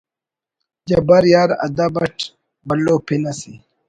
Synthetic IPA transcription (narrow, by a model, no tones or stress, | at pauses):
d͡ʒɐbɐɾjaːɾɐ̰d̪abɐʈ | bɐlːoːpʰinɐsi